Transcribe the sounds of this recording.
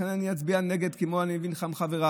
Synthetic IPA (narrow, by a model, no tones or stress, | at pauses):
enaniat͡sbianeɡed̪kemoanimevinχamχaveʁa